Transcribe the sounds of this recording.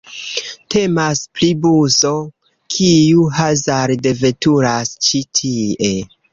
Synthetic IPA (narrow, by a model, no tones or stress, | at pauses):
tʰe̞masplibuzo̞ | kʰijuɦazaɾde̞ve̞tuɾast͡ʃitʰie̞